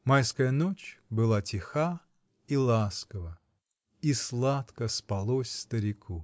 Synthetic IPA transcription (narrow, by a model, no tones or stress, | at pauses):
majskəjənot͡ʃbɨlˠatʲɪxa | ilˠaskəvə | islˠat̪kəspɐlˠosʲst̪əɾʲɪkʰu